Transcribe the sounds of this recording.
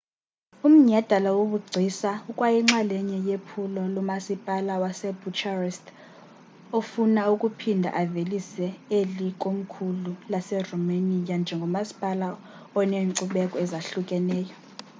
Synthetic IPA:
um̩ɲad̥ʱalawoɓuɡ͡ǀʱisaukʼwajiŋ͡ǁalɛɲɛjepʰulɔlɔmasipʼalawasɛb̥ʱut͡ʃʰʼarɛstʰ | ofunaukʼupʰindʱa̰ʔavelisɛelikʼom̩kʰululasɛrɔmanijand͡ʒʱɛŋɡʱɔmasi̥pʼala | ɔneŋǀuɓɛkʼɔɛzaɬukʼɛnɛːjɔ

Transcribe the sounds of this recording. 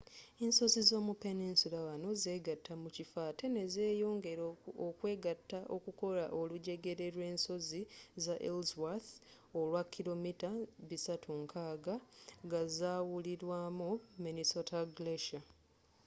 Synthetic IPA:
enso̞zizo̞ːmupeninsulawano̞ze̞ːɡatʰːamucifaːte̞ne̞zeːjo̞ːŋɡe̞ɾokwe̞ːɡatːaʔokuko̞laʔo̞luɟe̞ɡe̞ɾe̞ɾwe̞ːnso̞zizaʔelzwaθ | o̞lwakʰːilo̞mitaβisatʰuŋkʰaːɡaɡazaːwuliɾwaːmuminisotalɡleʃa

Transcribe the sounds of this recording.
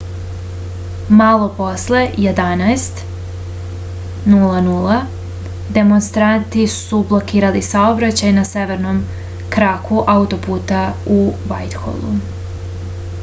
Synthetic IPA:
malˠo̞po̞sle̞jed̪anaest̪ | nuːlˠanuːlˠa | d̪e̞mo̞nst̪ɾant̪isublˠo̞kiːɾalisaobɾat͡ɕajnaseʋe̞ɾnom | kɾakuʔawt̪o̞puːt̪auʋajt̪xo̰lˠṵ

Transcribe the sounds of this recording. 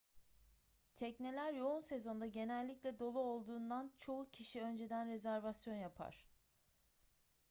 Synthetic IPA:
t̪ʰɛcnelʲæɾjo̞unse̞zo̞nd̪aɟe̞nælʲːiclʲɛd̪o̞lˠuolˠd̪uːnd̪ant͡ʃʰo̞ucʰiʃiø̞nd͡ʒe̞d̪ænɾe̞zæɾvasjo̞njapʰa̰ɾ̝̥

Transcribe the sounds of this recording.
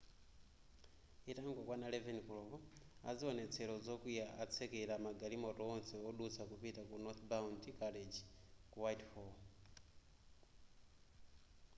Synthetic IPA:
itaŋɡɔkwanalɛvɛnikɔlɔvɔa̰ziɔnɛt͡sʰɛɾɔzɔkujaʔat͡sʰɛkɛlamaɡalimɔtɔɔnsɛɔɗusakupitakunɔt̪bauntikaled͡ʒikuwajtfɔ

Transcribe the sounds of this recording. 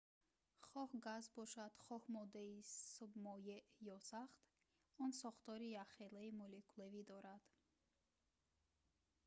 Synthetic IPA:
χɔhɡazbɔʃad̪̥χɔhmɔd̪eisubmɔjeʔjɔsaχt̪ | ɔnsɔχt̪ɔɾijaχelaimɔlikʰulevid̪ɔɾad̪̥

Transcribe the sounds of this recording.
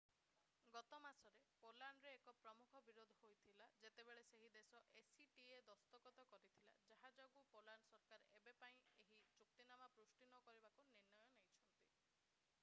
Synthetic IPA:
ɡɔt̪ɔmasɔɾepolaɳɾeːkɔpɾɔmukʰɔbiɾod̪ʱɔɦojt̪ʰilad͡ʒet̪ebeɭeseɦid̪esɔʔesiʈied̪ɔst̪ɔkɔt̪ɔkɔɾit̪ʰila̰d͡ʒaɦad͡ʒɔɡupolaɳsɔɾkaɾebepaĩeɦit͡ʃuk̚t̪inamapɾusʈinɔkɔɾibakuniɾnɔjɔnejt͡ʃʰɔnt̪i

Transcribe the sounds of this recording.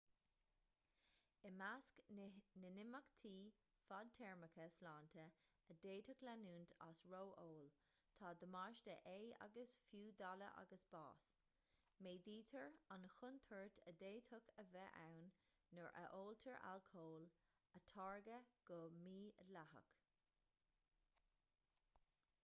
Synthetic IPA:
əmasknənɪmakt̪ʰiː | fad̪̚t̪ʰɛɹməkʰəslaːnt̪ʰə | əd̪eːt̪ʰʊklanuːnt̪ʰa̰sɹowʔoːl | t̪ʰɑːd̪əmɑʃd̪ə̰ʔeːa̰ɡəsfjuːd̪aləʔa̰ɡəsb̥ɑ̰ːs | meːd̪iːt̪ʰəɹanəxʊnt̪ʰəɹtʰəd̪eːt̪ʰʊkəvɛʔa̰wnː | əɹʔə̰ʔoːlt̪ʰəɹʔa̰lkʰoːl | ət̪ʰɑːɹɡəɡ̥ɔmiːəlaɦə̰k

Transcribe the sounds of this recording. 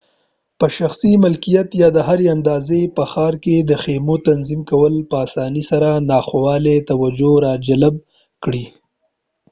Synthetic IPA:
pəʃaxsimɪlkijat̪jɑd̪əɦaɾeand̪ɑzepəxɑɾked̪əxemot̪anzimkawəlpəasɑnisaɾanɑxawɑlet̪awad͡ʒoɾɑd͡ʒalab̚ | kɽi

